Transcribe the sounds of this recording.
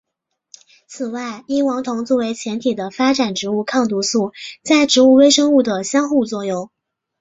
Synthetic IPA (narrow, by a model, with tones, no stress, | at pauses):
t͡sʰɹ̩˨˩wa˥˩ɪi˥ŋwɑ˧˥ŋt̪ʰʊ˧˥ŋt͡swɔ˥˩we˧˥ɪt͡ɕʰjɛ˧˥nt̪ʰi˨˩d̪ə˦fa˥ʈ͡ʂa˨˩nʈ͡ʂɻ̩˧˥u˥˧kʰɑ˥˩ŋt̪u˧˥su˥˩t͡sa˥˩ɪʈ͡ʂɻ̩˧˥u˥˩we˥ɪʂɤ˥ŋu˥˩d̪ə˩ɕjɑ˥ŋxu˥˧t͡swɔ˥˧jo˥˩ʊ